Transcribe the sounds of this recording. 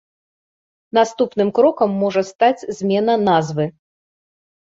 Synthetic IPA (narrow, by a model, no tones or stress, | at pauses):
n̪ast̪upnɨmkɾɔkɐmːɔʐɐst̪at͡sʲzʲmʲɛnɐnazvɨ